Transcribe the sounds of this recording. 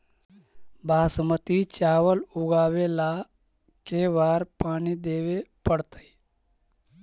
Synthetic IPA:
baːsmət̪it͡ʃaːʋəlʊɡaːʋela | keʋaːɾpaːnid̪eːʋepəɽt̪əi

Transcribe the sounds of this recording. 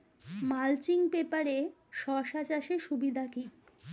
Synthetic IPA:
malt͡ɕiŋpepaɾe | ʃɔʃat͡ɕaʃeʃubid̪ʱaki

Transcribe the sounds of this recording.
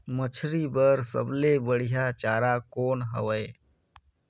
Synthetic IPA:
mət͡ʃʰɾibəɾsə̰blebəɽ̤ijat͡ʃaːɾakoːnɦə̰ʋəe

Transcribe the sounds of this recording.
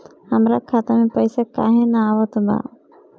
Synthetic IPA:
həmɾakʰaːt̪amẽpəɪsaka̰ːɦẽnaaːʋət̪ba̰

